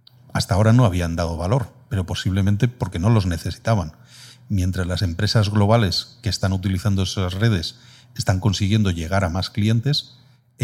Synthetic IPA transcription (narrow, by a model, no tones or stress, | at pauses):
ast̪ao̞ɾano̞aβ̞iand̪að̞o̞βalo̞ɾpe̞ɾo̞po̞siβle̞mẽnt̪epo̞ɾke̞no̞lo̞zne̞θe̞si̥t̪aβan | mje̞nt̪ɾazlase̞mpɾe̞sazɣlo̞β̞ale̞ske̞ːst̪anut̪iliθand̪oesazre̞ð̞e̞s | est̪aŋko̞nsiɣ̞je̞nd̪o̞ʝe̞ɣ̞aɾamasklie̞nt̪e̞s